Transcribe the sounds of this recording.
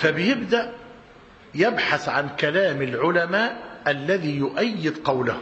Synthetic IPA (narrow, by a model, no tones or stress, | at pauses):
fæbɪjɪbd̪aʔ | jɪbħaθʕankælaːmɪlʕʊlamaːʔalːæðiːjʊʔajːɪd̪qɑwlah